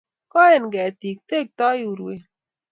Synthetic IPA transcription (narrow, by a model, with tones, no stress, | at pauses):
kɔ˦e˨nɡɛ˨t̪i˨k̚t̪e˦k̚t̪ɔ˦ju˨ɾwe˨